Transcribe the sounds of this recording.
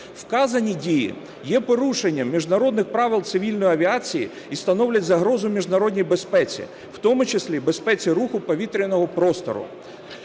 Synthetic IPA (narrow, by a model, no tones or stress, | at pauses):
wkɑzɐnʲidʲijḭ | jɛpɔɾuʃenʲːɐmːʲiʒnɐɾɔd̪nɪxpɾɑʋɪlˠt̪sɪʋʲilʲnɔjiɐʋʲiɑt͡sʲiji | ist̪ɐnɔwlʲɐtʲzɐɦɾɔzʊmʲiʒnɐɾɔdʲnʲijbespɛt͡sʲḭ | wt̪ɔmʊt͡ʃesʲlʲibe̞spɛt͡sʲiɾuxʊpɔʋʲit̪ɾʲinɔɦɔpɾɔst̪ɔ̰ɾʊ̰